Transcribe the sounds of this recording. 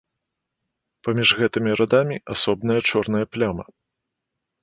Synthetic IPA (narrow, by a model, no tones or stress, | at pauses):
pɐmʲiʐɣɛt̪ɨmʲiɾʔad̪amʲiʔasɔbnɐjɐt͡ʂɔrnɐjɐplʲamɐ